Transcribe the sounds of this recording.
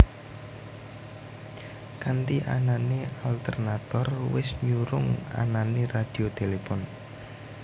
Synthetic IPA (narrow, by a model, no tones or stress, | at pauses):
kant̪iʔa̰nanealt̪ɛrnat̪ɔrwɪsɲuɾʊŋa̰nanerad̥i̤ot̪elefɔn